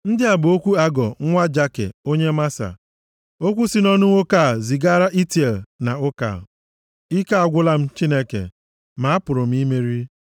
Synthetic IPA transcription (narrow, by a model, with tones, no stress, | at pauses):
n̩˦dɪ˦a˨bʊ˨o˦kʷu˦a˦ɡɔ˨ŋ̩˦ŋʷa˦d͡ʒa˦kḛ˨o˦ɲe˦ma˦sa̰˨ | o˦kʷu˦si˦nɔ˦nʊ˦ŋʷo˦ka˦˨zi˨ɡa˦ɾa˦ʔi˦te˨lna˨ʊ˦ka̰˨ | i˦ka˦a˨ɡʷʊ˦la˦m̩˦t͡ʃi˦ne˦kḛ˨ | ma˨a˦pʊ˨ɾʊ˨m̩˦i˦me˦ɾi˦